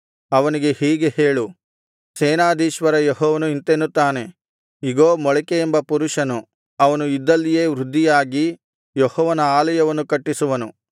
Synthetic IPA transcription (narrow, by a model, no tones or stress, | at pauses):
ɐʋɐniɡe̞hiːɡe̞heːɭu | seːnaːd̪iːʃʋɐɾɐjeɦɔːʋɐnuint̪enːut̪ːaːne̞ | iɡoːmɔɭɛkeːmbɐpuɾuʂɐnu | ɐʋɐnuid̪ːɐlːije̞ːʋɾud̪ʱːijaːɡi | jehɔːʋɐnɐaːlɐjɐʋɐnːukɐʈːisuʋɐnu